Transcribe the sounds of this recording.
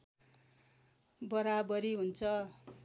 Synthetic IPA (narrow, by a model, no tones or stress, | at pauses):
bʌɾabʌɾiɦunt͡sʰʌ